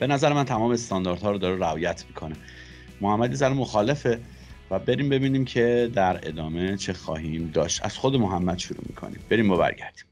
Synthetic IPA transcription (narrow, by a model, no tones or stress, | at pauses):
b̥e̞næzæɾemænt̪ʰæmɒːmest̪ɒːnd̪ɒɾd̪hɒːɾod̪ɒːɾeɾæɒːjæt̪ʰmikʰo̞ne | mohæmːæd̪jezænemo̞xɒːle̞fe | væbe̞ɾiːmbe̞biːniːmcʰe̞d̪æɾe̞̰d̪ɒːme̞t͡ʃʰe̞xɒ̰ːɦiːmd̪ɒːʃt̪æ̰z̥xod̪emoɦæmːæd̪̥ʃuɾṵːmḭkʰo̰nḭːmbe̞ɾiːmbɒbæ̰ɾɟæɾd̪̥i̥ːm